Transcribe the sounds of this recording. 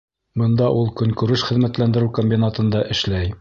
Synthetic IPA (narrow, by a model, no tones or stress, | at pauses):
bɤ̆nd̪ɑʔulˠkɵ̆ŋkʉɾɘʃχɘ̆ðmæt̪lænd̪ɘ̆ɾɘʉwkomʲbʲinat̪ɤ̆nd̪ɑʔɘ̆ʃlæj